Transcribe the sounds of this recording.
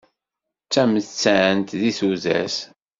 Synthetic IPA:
t͡sːæməθt͡sːæʕənt̪ðiθuzæ̰s

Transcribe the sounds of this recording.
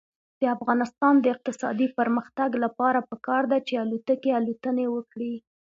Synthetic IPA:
d̪̥əafɣɑnɪst̪ɑnd̪əɪq̚t̪ɪsɑ̰d̪ipəɾməxt̪aɡlapɑɾapəkɑɾd̪at͡ʃealut̪əkealut̪ənewəkɽi

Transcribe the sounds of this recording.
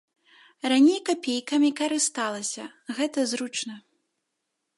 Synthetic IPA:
ranʲejkapʲejkɐmʲikɐɾɨst̪alˠɐsʲɐ̰ | ɣɛt̪ɐzɾut͡ʂnɐ

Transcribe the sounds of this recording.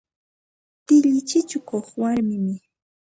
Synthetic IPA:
t̪ɪʎɪt͡ʃɪt͡ʃʊkoχwaɾmɪmɪ

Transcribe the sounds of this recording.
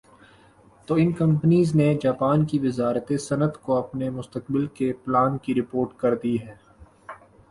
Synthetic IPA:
t̪oːɪnkɐ̃mpənizned͡ʒaːpaːnkiʋɪzaːɾt̪esɐnət̪koɐpnemʊst̪əkbɪlkeplaːnkiɾɪpoːɾʈkɐɾd̪iɦɛ̃ː

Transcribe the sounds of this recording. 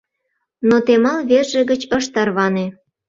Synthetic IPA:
not̪emɑlβerʒĕɣət͡ɕəʃt̪ɑrβɑne

